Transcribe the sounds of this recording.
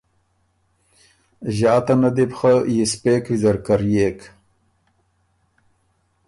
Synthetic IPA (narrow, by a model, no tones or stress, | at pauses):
ʑɑːt̪anad̪epxajispekwizɐɾkaɾjeːk